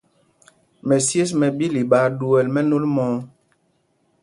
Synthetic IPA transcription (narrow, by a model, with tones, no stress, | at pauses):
mɛ˨sje˦s̬mɛ˨bi˦li˨ɓaː˨˦du˨ɛ˨lmɛ˦no˦lmɔː˨˦